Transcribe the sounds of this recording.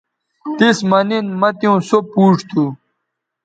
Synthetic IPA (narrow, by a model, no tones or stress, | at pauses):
t̪ismɐninmɐt̪jũːsopuːʈ͡ʂt̪ʰu